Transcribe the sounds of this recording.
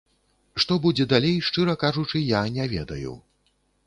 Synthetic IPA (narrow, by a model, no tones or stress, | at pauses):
ʂt̪ɔbud͡zʲɛd̪alʲejʂt͡ʂɨɾɐkaʐut͡ʂɨjanʲɛvʲɛ̰d̪ɐ̰jṵ